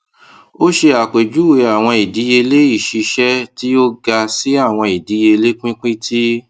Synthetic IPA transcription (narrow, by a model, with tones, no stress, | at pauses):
o˦ʃe˧a˨k͡pe˨d͡ʒu˨˦we˧a˨w̃ɔ̃˧i˨di˨˦je˧le˦i˦˨ʃi˨˧ʃɛ˦ti˦o˦ɡa˧si˦a˦˨w̃ɔ̃˧i˨di˨˦je˧le˦k͡pĩ˦k͡pĩ˦tʰi˦